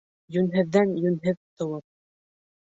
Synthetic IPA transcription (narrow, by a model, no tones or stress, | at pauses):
jɵnɦɘ̆ðːænjɵnɦɘðt̪ɤ̆wɤp̚